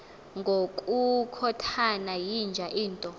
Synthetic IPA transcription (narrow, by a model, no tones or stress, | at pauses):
ŋɡʱokʼukʰɔtʰanajind͡ʒʱaʔiːntʼɔ